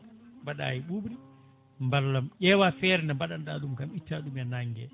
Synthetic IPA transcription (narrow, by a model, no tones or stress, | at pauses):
mbaɗa̰ːjiɓuɓɾi | mbalːamʔɛːwafɛɾɛnɛmbaɗandaɗumkamitːaɗumɛnaŋɡɛ̰